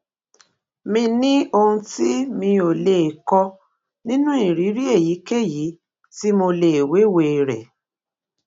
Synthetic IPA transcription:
mĩ˧nĩ˦o˧hũ˧ti˦mĩ˧o˨le˨kɔ˧ | nĩ˦nũ˦i˦˨ɾi˨˦ɾi˦e˦˨ji˨˦ke˦˨ji˨˦ | ti˦mo˧le˨we˨˦we˨˧˨ɾɛ̰˨

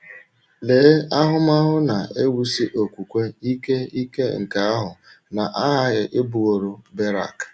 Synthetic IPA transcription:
le˨˦a˦ɦʊ˦ma˦ɦʊ˦na˨ʔe˦wu˦si˦ʔo˨kʷu˨kʷe˦i˦ke˦i˦ke˦ŋ̩˨ka˨a˦ɦʊ˨ | na˨ʔa˦ɦa˦ɣɪ˨ʔɪ˦bu˨o˨ɾo˦be˦ɾa̰˨k

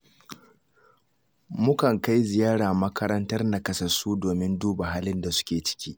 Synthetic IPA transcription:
mʊ˦kɐ˨ŋka˦jzɪ˨jaː˦ɽaː˨mɐ˦kʰɐ˦ɾɐ˦ntɐ˦rna˨kɐ˦sɐ˨su˦doː˨mɪ˦nduː˦ba˨ɦaː˦lɪ˦nda˨sʊ̥˦kʲeː˨t͡ʃɪ̥˦kʲiː˦ʔ

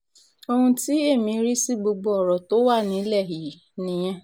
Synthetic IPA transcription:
o˦hũ˦ti˦e˦˨mĩ˨˦ɾi˦si˦ɡ͡bo˨ɡ͡bo˨ɔ˨ɾɔ˨to˦wa˦˨nĩ˨˦lɛ˦˨ɦi˨nĩ˨jɛ̃˦

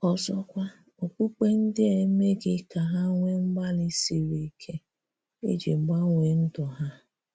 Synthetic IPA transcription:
ɔ˨zɔ˦kʷa˦ | o˨k͡pu˦k͡pe˦n̩˦dɪ˦e˨˦me˦ɡɪ˦ka˨ɦa˦ŋʷe˦ŋ͡m̩˦ɡ͡ba˦lɪ˦si˨ɾi˨kʰe˦ | ḛ˦d͡ʒi˨ŋ͡m̩˨ɡ͡ba˦ŋʷe˨n̩˦dɔ˨ɦa˦

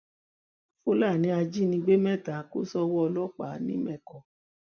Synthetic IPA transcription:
fo˦la˦˨nĩ˨˦a˧d͡ʒi˦˨nĩ˧ɡ͡be˦mɛ̃˦˨ta˨˦ko˦sɔ˦wɔ˦ɔ˧lɔ˦˨k͡pa˨˦nĩ˦mɛ̃˦˨kɔ˨

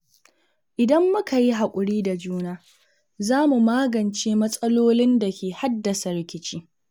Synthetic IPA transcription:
ʔɪ˨dɐ˦mːʊ˦ka˨ji˦ɦa˨kʷʼʊ˨ɽiː˦da˨d͡ʒuː˦naː˦ | zaː˦mu˨maː˦ɡɐ˨nt͡ʃeː˦mɐ˦sʼɐ˦loː˦lɪ˦nda˨kʲeː˨ha˦dːɐ˨sɐ˨ɾɪ˦kʲɪ˦t͡ʃiː˦

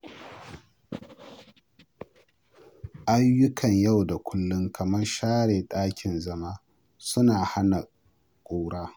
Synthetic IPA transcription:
ʔa˦jːʊ˦kʰɐ˨ɲja˦˨wda˨kʷʰʊ˦lːʊ˦ŋkʰɐ˨mɐ˦rʃaː˦ɽeː˨ɗʼaː˦kʲʰɪ˨nzɐ˦maː˦ | sʊ˦naː˨ha˦na˨ | kʷʼoː˦ɽaː˦

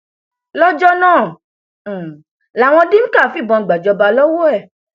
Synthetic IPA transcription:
lɔ˦d͡ʒɔ˦nãː˦˨ | la˨w̃ɔ̃˧dĩ˦m̩̃˦ka˦˨˦fi˦˨bɔ̃˧˨ɡ͡ba˨d͡ʒɔ˧ba˧lɔ˦wo˦ɛ˦˨

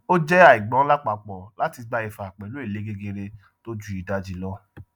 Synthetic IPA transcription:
o˦d͡ʒɛ˦a˨i˨ɡ͡bɔ̃˨˦la˦k͡pa˨k͡pɔ˨la˨˦ti˧ɡ͡ba˧i˨fa˨k͡pɛ˨lu˨˦e˦˨le˨˦ɡe˦ɡe˧ɾe˧ | to˦d͡ʒu˦i˨da˧d͡ʒi˧lɔ˦

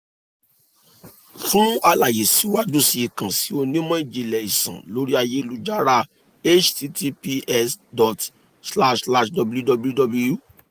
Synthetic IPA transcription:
fũ˦a˧la˨je˨si˨˦wa˦d͡ʒu˦si˧i˨kã˨si˨˦o˧nĩ˦mɔ̃˦i˨d͡ʒi˨lɛ˨i˨sã̰˨lo˨˦ɾi˦a˧je˦˧lu˨d͡ʒa˦ɾa˦ | e˦t͡ʃti˧tʰi˧pi˧ɛ˦˧sdɔ˨t | sla˦ʃla˦ʃdɔ˨˧bu˧ju˦dɔ˧bju˦dɔ˧blu˧ju˦

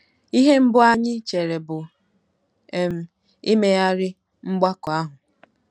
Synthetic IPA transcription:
i˦ɦe˦m̩˦bʊ˦a˦ɲɪ˦t͡ʃe˨ɾe˨bʊ˨ | e˨m̩˨ | i˦me˦ja˦ɾɪ˦ | ŋ͡m̩˦ɡ͡ba˦kɔ˨a˦ɦʊ˨

